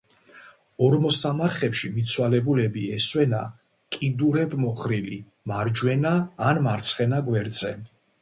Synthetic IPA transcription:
ɔɾmɔsamaɾχɛpʃimit̪sʰwalɛbulɛbiɛswɛna̰ | kʼid̪uɾɛbmɔχɾili | maɾd͡ʒwɛnaːnmaɾt̪sʰχɛnaɡwɛɾd̪zʼɛ

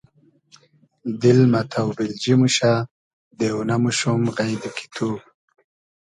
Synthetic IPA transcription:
d̪ɪlmat̪ʰawbild͡ʒimuɕa | d̪eunamuʃumɣajd̪ikʰi̥t̪ʰu

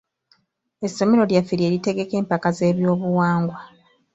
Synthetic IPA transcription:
e̞sːo̞me̞ɾo̞ljafiɾie̞ːɾite̞ɡe̞ke̞ːmpakaze̞ːβjo̞ːβuwaːŋɡwa

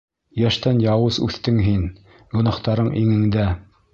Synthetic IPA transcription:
jæʃt̪ænjɑwɤzʉ̰θt̪ɘŋɦin | ɡŏnɑχt̪ɑɾɤɴʔiŋɘ̆ŋd̪æ

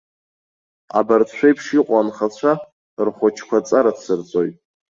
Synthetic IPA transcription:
a̰bart͡ɕʷʰejpʰʂiqʷʼanχat͡ɕʷʰa | rχʷʊt͡ʃʰkʷʰat͡sʼaɾadsɨrt͡sʷʼojtʼ

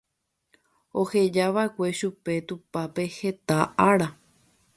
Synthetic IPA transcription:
o̞he̞d͡ʒaʋaekʷe̞ʃupe̞t̪upape̞he̞t̪aaɾa

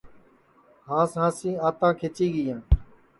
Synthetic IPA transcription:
hãːsãːsĩːaːt̪ãːkʰeːt͡ʃiːɡɪjãː

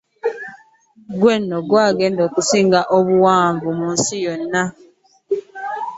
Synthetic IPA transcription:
ɡwenːoɡwaːɡe̞ːndoːkusiːŋɡaʔoβuwaːɱvumuːnsijonːa

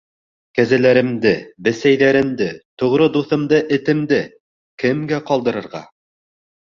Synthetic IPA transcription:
kæzælæɾɘ̆md̪ɘbɘ̆sæjðæɾɘ̆md̪ɘt̪ŏʁɾɤd̪uθɤ̆md̪ɤʔɘ̆t̪ɘ̆md̪ɘ | kɘ̆mɡæqɒlˠd̪ɤ̆ɾɤ̆ɾʁɑ̰

